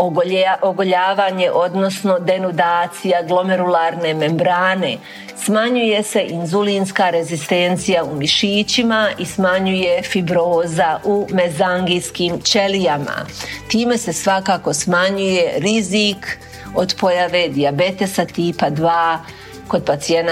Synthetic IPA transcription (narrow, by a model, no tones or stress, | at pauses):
ooɡo̞ʎaːʋaːɲe̞ʔo̞d̪no̞sno̞d̪e̞nod̪aːt̪sijaɡlˠo̞meɾulaːɾne̞me̞mbɾaːne̞ | smaɲuje̞se̞ʔinzulinskaɾe̞zist̪e̞nt̪sijaumiʃiːt͡ɕimaismaɲuje̞fibɾoːzaʔume̞zaŋɡiskiːmt͡ʃe̞lijama̰t̪iːme̞se̞sʋakaːko̞smaɲuje̞ɾiziːk | o̞d̪po̞jaʋe̞d̪iabe̞t̪esat̪iːpad̪ʋaː | ko̞d̪̚pat̪sien